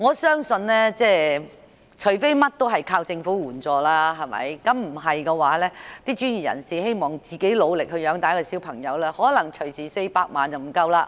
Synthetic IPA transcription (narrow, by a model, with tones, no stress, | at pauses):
ŋɔː˨˧sœː˥ŋsɵ˧nlɛː˥t͡sɛː˥˧ | t͡ʃʰɵ˨˩ɥfe˥jmɐ˥t̚t̪o˥wɦɐ˨jkʰaː˧wt͡sɪ˧ŋfuː˨˥wuː˨˩nt͡sɔː˨˧laː˥ɦɐ˨jmɐ̰˨˧jkɐ˨˥mm̩˨˩ɦɐ˨jkɛː˧waː˨˥lɛː˥t̪iː˥t͡ʃyː˥njiː˨˩jɐ̰˨˩nsiː˨˩he˥jmɔː˨˩ŋt͡siː˨ke˨˥jlo˨˧wlɪ˨k̚hɵ˧ɥjœː˨˧˥ŋt̪aː˨˥kɔ˧siː˨˥wpʰɐ˨˩ŋjɐ˨˧wlɛː˥hɔː˨˥lɐ˨˩ŋt͡ʃʰɵ˨˩ɥsiː˨˩se˧jpaː˧k̚ma̰ː˨nt͡sɐ˨wm̩˨˩kɐ˥wlaː˧